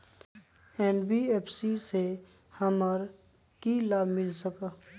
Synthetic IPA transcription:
ɛːnbieːpʰsise | həməɾ | kilaːbʱmɪlsəka

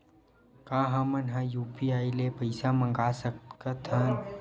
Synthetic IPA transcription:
kaːɦãmɐnɦãjuːpiaːilepɐɪsamə̃ŋɡaːsəkkət̪ʰɐn

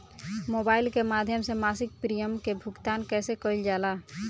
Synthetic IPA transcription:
moːbaːɪlkemaːd̪ʱjəmsemaːsɪk̚pɾijəmkebʱʊkt̪aːnkɛːsekəild͡ʒaːlaː

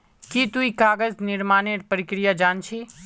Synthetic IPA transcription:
kit̪uikaɡəd͡zniɾmaneɾpəɾikɾijad͡ʒant͡ʃʰi

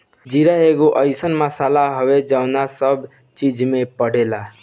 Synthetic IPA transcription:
d͡ʒiɾaeɡoʔəɪsənmasalaɦəʋed͡ʒaʊnasəb | t͡ʃid͡ʒmẽpəɽ̤ela

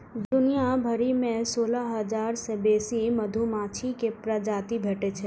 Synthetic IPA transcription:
d̪ʊnijabʱəɾimẽsoːlaɦəd͡ʒaːɾsebeːsiməd̪ʱumaːt͡ʃʰikepɾəd͡ʒaːt̪ibʱeʈet͡ʃʰɛ

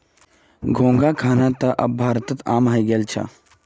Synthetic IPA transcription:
ɡʱõːŋɡakʰaːnat̪ɐʔɐ̰bbʱaːɾt̪ət̪aːmɦaiɡeːlt͡ʃʰa̰

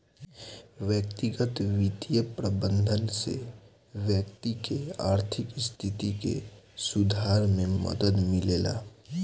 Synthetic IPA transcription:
ʋjəkt̪iɡət̪ʋit̪ijəpɾəbə̃nd̪ʱənsḛ | ʋjək̚t̪ikeaːɾt̪ʰɪkst̪ʰɪt̪ikḛsʊd̪ʱaːɾmẽmə̰d̪əd̪mɪleːla̰ː

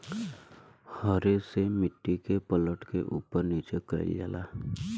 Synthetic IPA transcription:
hɔɾesemɪʈːikepələʈkeʔuːpəɾniːt͡ʃekəɾ̰ld͡ʒa̰ːla̰ː

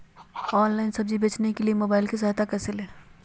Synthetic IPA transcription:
ɔːnlaːɪnsɐb̚d͡ʒibeːt͡ʃnekeliemoːbaːɪlkes̬aɦat̪akɛːseleː

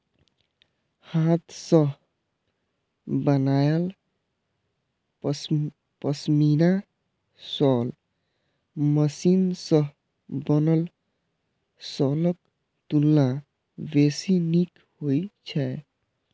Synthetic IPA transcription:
hat̪ʰsəɦ | bənajəl | pəsmina | sɔl | məsinsəɦ | bənəl | sɔlək̚ | t̪ulːa | besinik | hojt͡ʃʰɛ

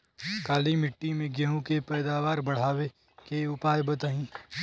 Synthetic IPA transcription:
kaːlimɪʈːimẽɡɐɦũkepɛːd̪aːʋaːɾbɐɽ̤aːʋe | keʊpaːjbɐt̪aɦĩː

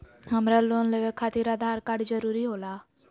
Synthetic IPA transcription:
ɦəmɾaloːnleʋekʰːaːt̪iːɾad̪ʱaːɾkaɖd͡ʒəɾuːɾiɦoːlaː

